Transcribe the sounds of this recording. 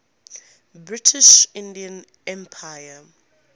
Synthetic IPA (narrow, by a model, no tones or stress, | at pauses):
bɹɪtʰɪʃɪ̃ndiə̃n | ɛ̃mpʰajə